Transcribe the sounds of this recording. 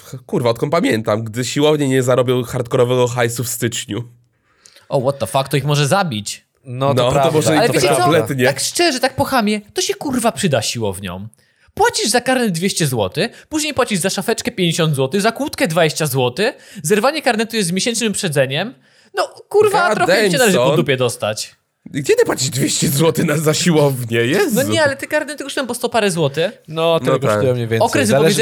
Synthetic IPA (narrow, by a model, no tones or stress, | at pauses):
kuɾvaɔt̪̚kɔmpamʲjɛnt̪amɡd̪ɘɕiwɔvɲɛɲɛzaɾɔbʲjɔ̃w̃xaɾt̪kɔɾɔvɛɡɔxajsufst̪ɘt͡ʂɲu | ɔwɔt̪ːɔfak̚t̪ːɔixmɔʐɛzabʲit͡ɕ | nɔnɔɔmɔʐɛalɛvvʲjɛkɔɔmplɛt̪ɲɛakʂt͡ʂɛʐɛt̪ak̚pɔxamʲjɛt̪ɔɕɛkuɾvapʂɨd̪aɕiwɔ̰vɲɔ̰̃w̃ | pwat͡ɕiʐzakaɾnɛd̪̚d̪vʲeɕt͡ɕɛzwɔt̪ɘpuʑɲejpwat͡ɕiʐzaʂafɛt͡ʂkɛpʲjeɲd͡ʑeɕɔnd̪zwɔt̪ɪɣzakwut̪kɛd̪vad͡ʑeɕt͡ɕazwɔt̪ɘzɛɾvaɲɛkaɾnɛt̪ujɛst̪mjeɕɛnt͡ʂnɨmpʂɛd̪zɛɲɛm | nɔkuɾvat̪ɾɔxɛt͡ɕɛnalɛʐɨpɔd̪upʲjɛd̪ɔst̪a̰t͡ɕ | ɡd͡ʑɛd̪ɨpwat͡ɕiʐd̪vʲjeɕt͡ɕɛzwɔt̪ɪnazaɕiwɔvɲɛjɛnɔɲɛalɛt̪ɪkaɾnɛt̪ɛkɔsɛmbɔst̪ɔpaɾɛzwɔt̪ɘnɔt̪ɛkɔt̪ujɔmɲɛvʲjɛnɔkɾɛsvpvj